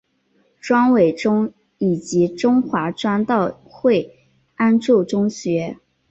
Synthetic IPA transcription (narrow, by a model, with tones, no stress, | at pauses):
ʈ͡ʂwɑ˥nwe˨˩ɪʈ͡ʂʊ˥ŋ | i˨˩t͡ɕi˧˥ʈ͡ʂʊ˥ŋxwa˧˥ʈ͡ʂwa˥nt̪ɑ˥˧ʊ | xwe˥˩ɪ | a˥nʈ͡ʂo˥˩ʈ͡ʂʊ˥ŋɕɥɛ˧˥